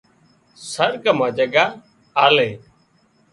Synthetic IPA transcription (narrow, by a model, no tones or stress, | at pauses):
səɾkəmaːd͡ʒəɡaː | aːleː